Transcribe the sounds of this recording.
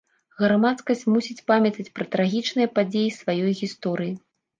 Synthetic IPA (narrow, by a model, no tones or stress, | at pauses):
ɣɾamat̪skɐsʲt͡sʲmusʲit͡sʲpamʲjɐt̪ɐt͡sʲpɾɐt̪ɾaɣʲit͡ʂnɨjɐpad͡zʲejisvajɔjɣʲist̪ɔɾɨji